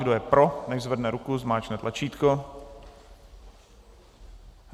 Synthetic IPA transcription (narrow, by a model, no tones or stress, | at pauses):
ɡdojɛpɾonɛʒzvɛdnɛɾukuzmaːt͡ʃnɛːt̪lʔat͡ʃiːt̪ko